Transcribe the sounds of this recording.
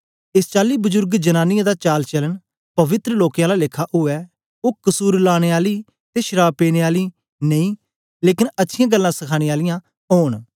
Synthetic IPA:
ɪst͡ʃaːliːbʊzʊɾɡd͡ʒənãːnɪjãːd̪aːt͡ʃaːlt͡ʃələn | pɐʋɪt̪ɾəloːkjãːlaːlɪkʰːaːʔʊɛː | oːkəsuːɾlaːɽ̃eːaːliː | t̪eːʃəɾaːbpeːñeːaːliː | nə̃ĩː | leːkɪnətːʃʰɪjãːɡəlːãːsɐkʰaːɽ̃eaːlɪjãː | ɦoːɳ

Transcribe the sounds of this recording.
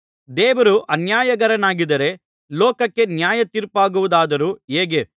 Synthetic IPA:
d̪ɛːʋɐɾuʔɐnjaːjɐɡɐɾɐnaːɡid̪ɐɾe̞ | lɔːkɐkːe̞njaːjɐt̪iɾpaːɡuʋud̪aːd̪ɐɾuːeːɡe̞

